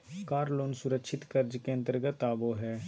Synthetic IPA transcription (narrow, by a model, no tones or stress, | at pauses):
kaːɾloːnsʊɾəkʃʰɪt̪kəɾd͡ʒkeə̃nt̪əɾɡət̪aːboɦɛː